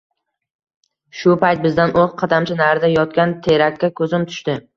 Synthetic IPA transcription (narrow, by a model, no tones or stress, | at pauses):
ʃʊpajt̪̚bɪzd̪anʔoʁqʰɑd̪amt͡ʃʰanaɾd̪ajɒt̪̚kʲant̪ʰeɾakʲːakʰɵzɪmt̪ʰʊ̥ʃt̪ɪ